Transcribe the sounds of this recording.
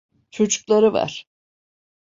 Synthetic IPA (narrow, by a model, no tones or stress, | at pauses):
t͡ʃʰo̞t͡ʃʰu̥klˠaɾɯva̰ɾ̥